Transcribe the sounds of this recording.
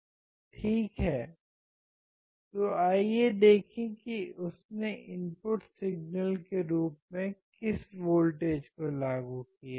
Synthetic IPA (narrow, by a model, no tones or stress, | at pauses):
ʈʰiːkɦɛː | t̪oaːjed̪eːkʰĩkiʊsneʔɪmpʊʈsɪɡnəlkeɾuːp̚mẽkɪsʋoːlʈeːd͡ʒkolaːɡukija